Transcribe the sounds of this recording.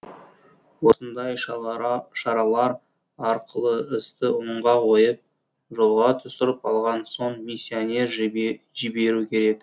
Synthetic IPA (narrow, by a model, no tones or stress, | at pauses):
wo̞sənd̪ɑj | ʃɑɾɑlˠɑɾ | ɑɾqəlˠəɪst̪ɪoɴʁɑqʰo̞jəp̚ | ʒo̞lˠʁɑt̪ʰʏsɪɾəpɑlˠʁɑnso̞ɴmisʲːionʲe̞ɾ | ʒibe̞ɾukʲʰe̞ɾe̞k